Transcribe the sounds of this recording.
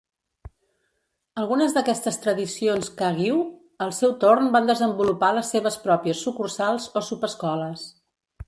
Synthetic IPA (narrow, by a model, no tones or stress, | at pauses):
əlˠɣunəzðəkɛst̪əst̪ɾəðisionskəɣiw | əlˠsɛwt̪ornband̪əzəmbulupaləsːeβəspɾɔpjəsːukursalˠzosupəskɔləs